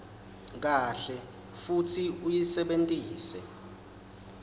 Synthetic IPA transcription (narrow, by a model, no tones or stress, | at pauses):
k̬aɬɛ | futʰiujisɛɓentʼiːsɛ